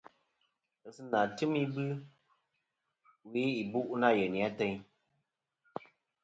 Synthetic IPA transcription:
ɨ˨sɨ˦na˨tɨ˦mi˦bɨ˦ | wi˨˦i˨bu˦ʔna˦˨jɛ˨ni˨a˦tɛ˦ɲ

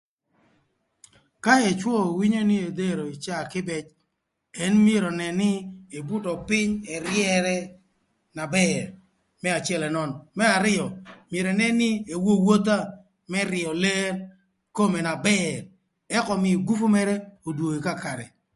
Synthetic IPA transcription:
ka˦ɛ˨t͡ʃwɔ˦˨wi˦ɲo˦ni˦e˨d̪e˦ɾo˨ɪ˨t͡ʃa˦˨kɪ˦bɛ˦t͡ʃ | ɛ˦nmje˦ɾo˨nɛ˨nɪ˦e˨bu˦tɔ˨pɪ˦ɲɛ˨ɾjɛ˦ɾɛ˦ | na˨bɛɾ | mɛ˦a˨t͡ʃɪ˦ɛ˦lɛ˨nɔ˨nmɛ˦a˨ɾɪ˦ɔ˨mje˨ɾe˨nɛ˦nɪ˦e˨wo˦wo˦t̪a˦ | mɛ˦ɾɪ˨ɔ˨le˦ɾ | ko˦me˨na˨bɛɾ | ɛ˦kɔ˨mɪ˨ɡu˦fu˦mɛ˦ɾɛ˦o˨dwo˨i˨ka˦ka˨ɾɛ̰˨

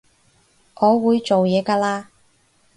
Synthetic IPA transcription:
ʔɔː˨˧wuː˨˧jt͡so˨wjɛː˨˧kaː˧laː˧

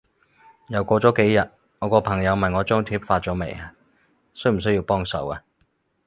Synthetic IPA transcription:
jɐ˨˩wkʷɔː˧t͡sɔː˨˥ke˨˥jjɐ˨t̚ | ŋɔː˨˧kɔː˧pʰɐ˨˩ŋjɐ˨˧wmɐ˨nŋɔː˨˧t͡ʃœː˥ŋt̪ʰiː˥p̚faː˧t̚t͡ʃɔː˨˥me˨˩ja˨˧ | sɵ˥ɥm̩˨˩s̬ɵ˥ji˧wpɔː˥ŋsɐ̰˨˩wa˨˧

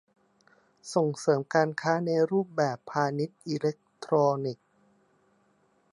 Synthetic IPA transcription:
so˨˩ŋsɤː˩˦mkaː˧nkʰaː˦˥na˧jɾuː˥˩p̚bɛː˨˩pʰːaː˧ni˦˥t̪̚ʔiː˧le˦˥k̚t̪ʰɾoː˧ni˨˩k̚

